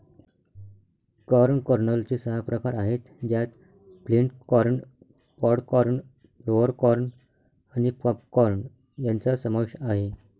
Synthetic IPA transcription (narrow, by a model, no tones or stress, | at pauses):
kəɾɳkəɾɳəlt͡ɕesəɦapɾəkaɾaɦet̪d͡ʑjat̪ | fliɳʈkɔɾɳ | pɔɽkɔɾɳ | ɾoʋəɾkɔɾɳ | anipapkɔɾɳ | jant͡sasəməkʂaɦe